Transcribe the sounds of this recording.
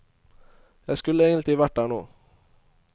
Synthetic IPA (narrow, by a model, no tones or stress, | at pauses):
jæɪskʉləeːɡənɪʋæʈ̚d̪æːɳoː